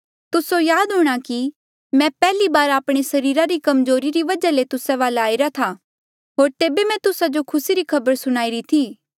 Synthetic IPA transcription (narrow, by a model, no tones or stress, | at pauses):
t̪ʊsojaːd̪ɦʊːɽ̃aki | mɛ̃pɛːlibaːɾaːpɽ̃esɐɾiːɾaɾikɐmzoːɾiɾiʋɐd͡ʒalet̪ʊsɛ̃ʋaːlaːiɾat̪ʰa | ɦoːɾt̪eːbemɛ̃t̪ʊsad͡ʒokʰʊsiɾikʰɐbəɾsʊɽ̃aːiɾit̪ʰiː